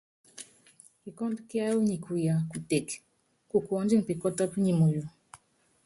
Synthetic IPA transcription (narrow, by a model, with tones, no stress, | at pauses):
ki˨kɔ˦dki˦a˦u˦ɲi˨kʰu˨ja˨ku˨te˨k | ku˨ku˨ɔ˨nd͡ʒi˦ŋ̩˨pi˨kɔ˦tɔ˦pɲi˨mu˨ju˨